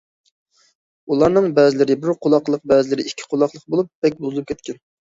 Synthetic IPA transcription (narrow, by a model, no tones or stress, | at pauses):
ulˠɑɾnɨŋbɛzɪlɪɾɪbɪɾqʰolˠɑqlˠəq̚bɛzɪlɪɾɪikʲʰːi̥qʰolˠɑχlˠəq̚bolˠup̚ːɛk̚ʲbuzɨlˠup̚kʲʰɛt̪kʲʰɛn